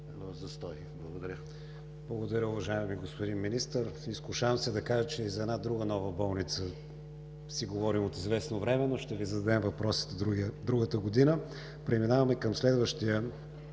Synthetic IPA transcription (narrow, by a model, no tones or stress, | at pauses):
zɐst̪ɔj | blˠɐɡod̪ɐɾʲə | blˠɐɡod̪ɐɾʲəʊvɐʒaɪmiɡospod̪inminist̪əɾiskʊʃavmsɛd̪ɐkaʒət͡ʃɛizɐɛd̪nad̪ɾuɡənɔvəbɔlˠnit̪sə | siɡovɔɾimot̪izvɛsnovɾɛmɛnoʃt̪ɛvizɐd̪ɐd̪ɛmvɐpɾɔsi̥t̪ɛɾud̪ɾuɡət̪əɡod̪inə | pɾɛminavɐmɛkəmslɛd̪vəʃt̪iə